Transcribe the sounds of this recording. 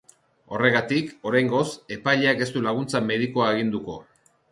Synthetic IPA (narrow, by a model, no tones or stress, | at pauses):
o̞re̞ɣat̪iko̞ɾajŋɡo̞se̞pajʎeake̞st̪ulaɣ̞unt͡same̞ð̞iko̞aeɣ̞ind̪uko̞